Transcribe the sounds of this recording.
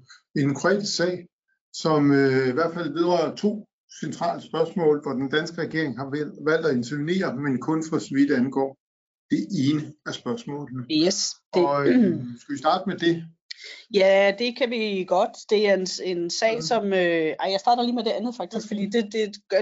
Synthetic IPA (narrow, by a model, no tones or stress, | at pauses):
e̝nkʰʁoɛ̰ːd̥ʰissɛ̰ːɪ | sɒ̽møiʋæɐ̰d̥fæl̰ʋe̝ðˠʁɑɐɐt͡sʰo̝̰ː | sent͡sʰʁɑ̰̈ːləsb̥ɶɐsmɔ̰̽ːlʋɒd̥end̥ænsɡ̥əʁɛɡ̥e̝̰ɐ̰e̝ŋhɑ̈ʋæl̰d̥æe̝nt͡sʰoʋinḭːɐmenkʰɔ̽nfɒsɒʋid̥ænɡ̥ɒ̰ː | d̥e̝ʔe̝ːnəæɐsb̥ɶɐsmɔ̰̽ːlnəes | sɡ̥æʋisd̥ɑ̈ːd̥əmed̥e̝ | jæd̥e̝kʰæʋiɡ̥ɒ̽d̥d̥e̝æɐene̝nsɛ̰ːsɒ̽møɑɪjɑ̈ɪsd̥ɑ̈ːɾɐliːmed̥e̝ænð̞̩ˠfɑ̈ɡ̥̚d̥isɡ̥fɒd̥ḭːd̥e̝d̥e̝̥